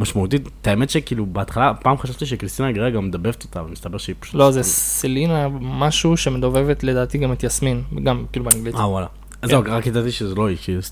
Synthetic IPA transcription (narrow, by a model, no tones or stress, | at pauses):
maʃmaut̪itt̪ːaemet̪ʃekiːlubeat̪χalapaːmχaʃavt̪iʃ̬ekʁist̪inaɡʁeaɡamːed̪abevet̪ot̪avamist̪abeʁʃeipḁu̥tlozesilinamaʃuʃe̞med̪o̞vevet̪le̞daːt̪iɡamit̪jasminɡamkiːlubeaŋɡlitawala | zoʁakjadat̪iʃezeloixis